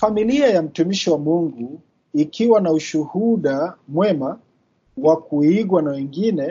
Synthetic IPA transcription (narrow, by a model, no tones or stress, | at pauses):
familiajam̩tumiʃiwamuŋɡu | ikʰiwanauʃuhuɗamwɛma | wakuiɠwanawɛŋɡinɛ